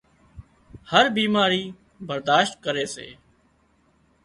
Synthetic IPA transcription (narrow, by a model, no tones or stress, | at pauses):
həɾbiːmaːɾiː | bəɾd̪aːʃt̪̚kəɾeːsḛː